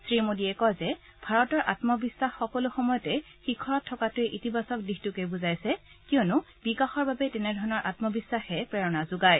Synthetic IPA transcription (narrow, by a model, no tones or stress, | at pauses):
sɹimodiɛkɔjzɛ | b̥ʱaɹɔtɔɹʔatmɔbisːaxːɔkɔlʊxɔmɔjɔtɛ | xikʰːɔɹɔtʰːɔkatʊɛʔitibasɔk̚dixtukejbʊzajsɛ | kiɔnʊ | b̥ikaxɔɹbabɛtɛnɛdʱɔɹɔnɔɹʔatmɔbisːaxɛpɹɛɹɔnazʊɡaj